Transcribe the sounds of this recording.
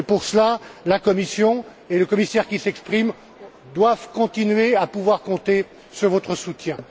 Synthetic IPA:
puʁsəlalakɔmisjɔ̃ | eləkɔmisɛʁkʲisɛkspχim | d̪wavkɔ̃t̪inɥeapuvwaʁkɔ̃t̪e | syʁvɔt̪χəsut̪jɛ̃

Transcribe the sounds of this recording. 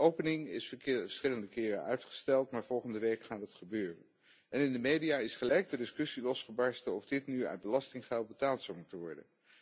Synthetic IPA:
ʔowpənɪŋɪsə̥sχɪləndəkɪːrə̰œɥtχə̥stɛlˠtmaːɹv̥ɔlˠχəndəʋejkχaːtdɑtχəbøːrə̰n | ɛnɪndəmejdiaːɪsχəlɛjk̚dədɪskɵsilɔsχəbɑɹstəɔvdɪtnyœ̰ɥd̚bəlɑstɪŋχɛlˠt̚bətaːlˠtsɔwmutənʋɔɹdə̰n

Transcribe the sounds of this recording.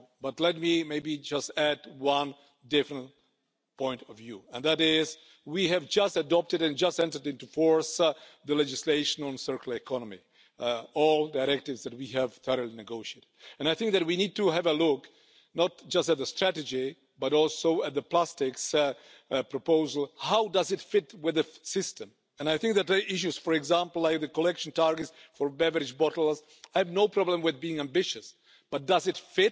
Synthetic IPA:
bʌtˡlɛt̚mimeɪbid͡ʒʌstædwʌ̃n | dɪfɹə̃nt̚ | pʰɔ̃ɪ̃ntɔvjuɨ̃nðæɾɪz | wiɨvd͡ʒʌstɨdɔp̚tɨɾɨ̃nd͡ʒʌstɛ̃ntə˞dɪ̃ntufɔɹsðəlɛd͡ʒɨsleɪʃə̃nə̃nsɜ˞kl̩ˠɨkʰɑnəmḭ | ɔlˠdaɪɾɛk̚tɪvzðɨt̚wiɨv̥θɜɹəlˠinɨɡoʊʃieɪɾɪdɨ̃naɪθɪ̃ŋk̚ðɨt̚winid̚tuɨvəlʊk | nət̚d͡ʒ̥ʌstt̪̚ðəstɹ̥æɾɨd͡ʒi | bʌɾɔlˠsoʊɨt̪̚ðəpl̥æstɪks | pʰɹɔpoʊzəlˠhaʊdʌzɨtfɪtwɪðɨsɪstə̃m | ɨ̃najθɪ̃ŋk̚ðɨt̚ʔɪʃ̬uz̥fɔɹɛɡzæ̃mpl̩ˠlajk̚ðɨkɔlɛkʃn̩tɑɹɡɨtsfɔ˞bɛvəɾɪd͡ʒbɔɾl̩ˠz | ajɨvnoʊpʰɹɔblə̃mwɪðbiɪ̃ŋæ̃mbɪʃɨs | b̥ʌt̚d̥ʌzɨtfɪt̚

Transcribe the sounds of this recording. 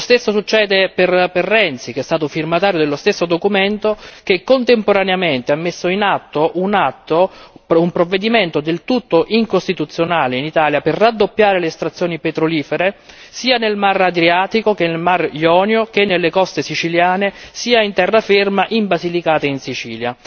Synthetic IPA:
ost̪esːosut͡ʃːɛːd̪eperperːɛnt̪sik̟ɛst̪aːt̪ofirmat̪aːɾjod̪elːost̪esːod̪okument̪ok̟ekːont̪empoɾaneament̪eamːesːoinat̪ːoʔunat̪ːoumpɾovːed̪iment̪od̪elt̪ut̪ːoʔiŋkost̪it̪ut̪sːjonaːleinit̪aːljaperːad̪ːopːjaːɾeleːst̪ɾat̪sːjoːnipet̪ɾoliːfeɾe | siːanelmarad̪ɾiaːt̪ikokenːelmarjɔːnjok̟enːelːekɔst̪esit͡ʃiljaːnesiːaint̪ɛrːafermaʔimbazilikaːt̪einsit͡ʃiːlja

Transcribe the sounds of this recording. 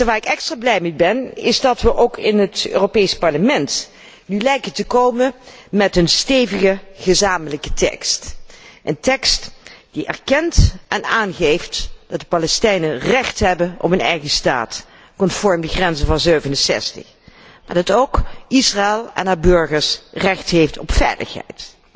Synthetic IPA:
əʋaːɹɪkɛkstraːblɛjmibɛnɪzdɑtʋəʔowkʰɪnɦətø̰ːropejspɑɹləmɛnt | nylɛjkətəkowməmɛtənstejvəɣəχəzaːmələkətɛ̰kstʔəntɛkstd̥iʔɛ̰rkɛntʔɛnaːnχejftd̥ɑt̚dəpalɛstɛjnərɛχtɦɛbənʔɔ̰pɦənɛjχəsta̰ːt | kɔntfɔɹmdəχrɛnzəvɑnzøɥvənəsɛ̰stə̰χ | maːɹdɑtowkɪsraɪlˠɛ̰naːbɵɹχəɹsrɛχtɦejftɔpfɛ̰jlə̰χɦɛ̰jt

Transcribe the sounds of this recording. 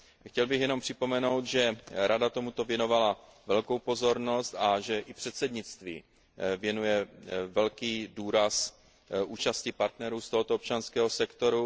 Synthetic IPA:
xcɛlbɪxjɛno̞mpr̥ɪpo̞mɛno̞wt̪ʒɛɾʔadat̪o̞mut̪o̞vjɛno̞valavɛlkowpo̞zo̞ɾno̞st̪aʒɛʔɪpr̝̥ɛt̪sɛdɲɪt͡st̪vḭː | vjɛnujɛvɛlkiːduːɾas | ʔuːt͡ʃascɪpaɾt̪nɛɾuːst̪oɦot̪oop̚t͡ʃanskɛːɦo̞sɛkt̪o̞ɾu

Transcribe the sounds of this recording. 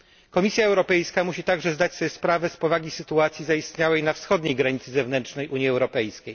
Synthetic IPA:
kɔmʲisʲjaɛwɾɔpɛjskamuɕit̪aɡʐɛzd̪at͡ɕsɔjɛspɾavɛspɔvaɡʲisɘt̪uat̪sʲjizaist̪ɲawɛjnafsxɔd̪ɲejɡɾaɲit̪sɘzɛvnɛntt͡ʂʂnɛjʔuɲjiɛwɾɔpɛjskʲej

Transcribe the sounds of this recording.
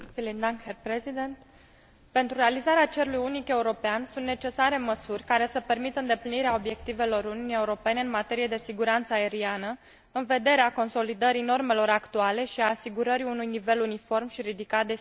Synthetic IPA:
filind̪aŋkherpɾezid̪ent̪ | pe̞nt̪ɾuɾealizaɾeat͡ʃe̞ɾulujunike̞uɾo̞peansunt̪ne̞t͡ʃe̞saɾe̞məsurʲkaɾe̞səpe̞rmit̪əɨnd̪epliniɾeao̞bje̞kt̪ive̞lo̞ɾuniunije̞uɾo̞pe̞ne̞ɨnmat̪e̞ɾije̞d̪e̞siɡuɾant̪səae̞ɾianə | ɨnve̞d̪e̞ɾeako̞nso̞lid̪əɾino̞rme̞lo̞ɾakt̪uale̞ʃiaːsiɡuɾəɾiunujnive̞lunifo̞rmʃiɾid̪ikat̪̚d̪e̞

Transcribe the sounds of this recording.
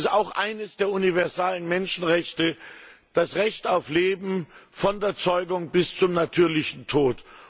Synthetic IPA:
saʊxʔaɪnəsd̥eːɐʔunivɛɐzaːlənmɛnʃn̩ʁɛçtəd̥asʁɛçtaʊfleːbm̩fɔndeːɐt͡sɔʏɡʊŋbɪst͡sʊmnatʰyːɐlɪçn̩tʰoːt

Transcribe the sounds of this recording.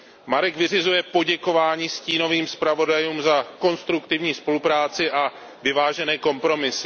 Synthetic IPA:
maɾɛɡvɪrɪzujɛpo̞ɟɛko̞vaːɲiːsciːno̞viːmspɾavo̞dajuːmzako̞nst̪ɾukt̪ɪvɲiːspo̞lupɾaːt͡sɪʔa | vɪvaːʒɛnɛːko̞mpɾo̞mɪsɪ

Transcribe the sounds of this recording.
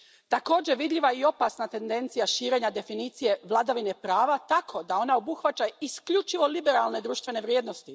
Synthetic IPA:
t̪ako̞ːd͡ʑe̞ʋid̪ʎʲiʋaio̞pasnat̪e̞nd̪e̞nt̪sijaʃiːɾe̞ɲad̪e̞finiːt̪sije̞ʋlˠad̪aʋine̞pɾaːʋat̪akʰo̞d̪ao̞nao̞buxʋat͡ʃaiskʎut͡ʃiʋo̞libe̞ɾalˠne̞d̪ɾuːʃt̪vʋe̞ne̞ʋɾjed̪no̞st̪i

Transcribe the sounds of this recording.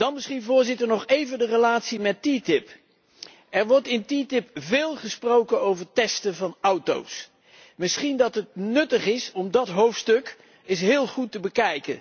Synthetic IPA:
d̥ɑnmɪsχinvʊːɹzɪtəɹnɔχejvəndərəlaːtsimɛtitɪp | ɛɹʋɔɹtɪntitɪpvɪːlˠχəsprowkənowvəɹtɛstəvɑnʌwto̰ws | mɪsχindɑtɦət̚nɵtəχɪsɔmdɑtɦowftstɵk | ɪs̬ɦɪːlˠχutəbəkɛjkə̰n

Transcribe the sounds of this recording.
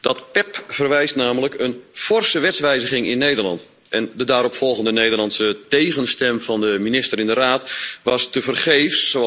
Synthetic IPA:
d̥ɔtpɛpfərʋɛjstnaːmələkənfɔrsəʋɛtsʋɛjzəχɪŋɪnːeːdərlɑ̰nt | ɛndədaːɾɔpfɔlˠɣəndəneːdərlɑntsəteːɣənstɛmfɑndəminɪstəɾɪndəraːtʋɑstəvərχeːfsːo

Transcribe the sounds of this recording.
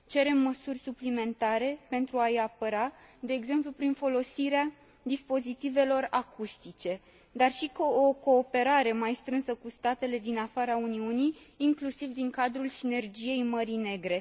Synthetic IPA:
t͡ʃe̞ɾe̞mːəsurʲsuplime̞nt̪aɾe̞pe̞nt̪ɾuajapəɾad̪e̞ːɡze̞mplupɾinfo̞lo̞siɾea | d̪ispo̞zit̪ive̞lo̞rakust̪it͡ʃe̞ | d̪arʃikoko̞ːpe̞ɾaɾe̞majst̪ɾɨnsəkust̪at̪e̞le̞d̪inafaɾauniunijːŋklusivd̪iŋkad̪ɾulsine̞rd͡ʒije̞jməɾine̞ɡɾe̞

